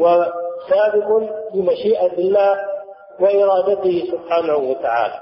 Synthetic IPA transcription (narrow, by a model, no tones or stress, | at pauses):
wasaːbɪqʊnlɪmaʃiːʔabɪlːaːh | wɪʔɪɾˤɑːd̪at̪ɪhɪsʊbħaːnahuwat̪aʕa̰ːla̰